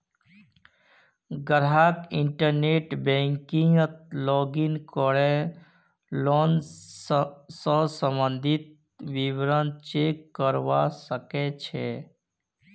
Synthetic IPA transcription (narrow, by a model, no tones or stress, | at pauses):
ɡəɾɦaːkɪ̃ɳʈəɾneʈbɛ̃ŋkĩŋət̪̚lɔːɡinkɔɭe | loːn | səsə̃mbənd̪ʱit̪̚ | ʋiʋɾənt͡ʃekːəɾʋasəket͡ʃʰe